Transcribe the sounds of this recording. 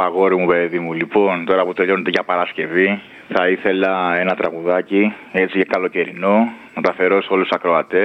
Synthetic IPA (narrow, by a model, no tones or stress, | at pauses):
ɐɣo̞ɾimupeðimulipo̞nt̪o̞ɾɐput̪e̞ʎo̞net̪eʝɐpɐɾɐsce̞vi | θɐiθe̞lɐe̞nɐt̪ɾɐɣuðɐciet͡sicekɐlo̞ce̞ɾino̞mot̪ɐθe̞ɾo̞so̞lusu̥sɐkɾo̞ɐt̪e̞